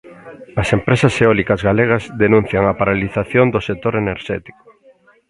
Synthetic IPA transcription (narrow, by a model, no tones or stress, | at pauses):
ɐsempɾesɐseɔlikɐzɣaleɣ̞ɐzðenũn̟θjɐŋɐpaɾaliθaθjond̪ʊsek̚t̪oɾeneɾʃɛt̪i̥ko̥